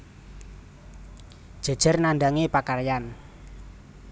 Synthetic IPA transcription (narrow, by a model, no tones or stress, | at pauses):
d̥ʒ̥a̤̥ʒ̥ə̤rnand̪aŋepakarjan